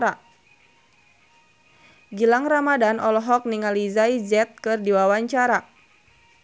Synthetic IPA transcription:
ɾa | ɡilaŋramadanɔlɔɦɔk̚niŋalizaid͡ʒɛt̪̚kɨrdiwawaɲt͡ʃaɾa

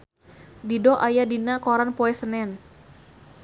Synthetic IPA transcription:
didɔʔajadinakoɾanpoɛsənɛn

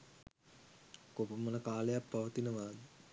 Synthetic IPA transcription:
kopəmənəkaːlejapːaʋət̪inəʋaːd̪ə

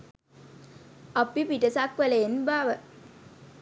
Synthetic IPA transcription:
apipiʈəsakʋəleenbaːʋə

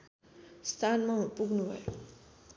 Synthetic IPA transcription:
st̪ʰanmãpuɡʱnubʱʌ̰jo

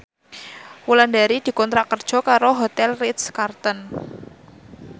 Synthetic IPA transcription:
wuland̪aɾid̪̥i̤kɔnt̪ɾakərd̥ʒ̥ɔ̤kaɾoɦot̪ɛlrit̪skart̪ɔn

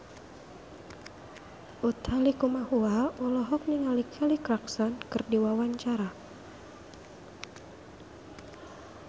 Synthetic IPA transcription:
ʔut̪ʰalikumahuaulɔɦɔk̚niŋalikʰɛlikɾaksɔnkɨrdiwawaɲt͡ʃaɾa

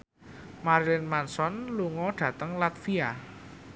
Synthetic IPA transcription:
maɾlɪnmansɔnluŋɔɖ̪̥ä̤t̪əŋlat̪fia

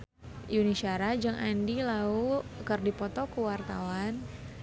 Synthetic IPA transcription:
junisaɾad͡ʒəŋʔandilaukərdipɔt̪ɔkəwart̪awan

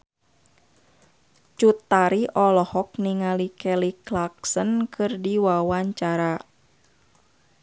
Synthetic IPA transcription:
t͡ʃut̪ːaɾiʔɔlɔhɔk̚niŋalikɛliklak̚sənkʰɨrdiwawaɲt͡ʃaɾa

